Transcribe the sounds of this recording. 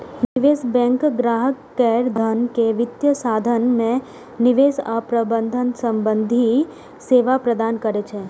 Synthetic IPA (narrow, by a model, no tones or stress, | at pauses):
nɪʋesbɛ̃ŋkɡɾaɦəkːɛɾd̪ʱənkeʋɪt̪jəsad̪ʱənmẽ | nɪʋesapɾəbənd̪ʱənsə̃mbənd̪ʱi | seʋapɾəd̪ankəɾet͡ʃʰe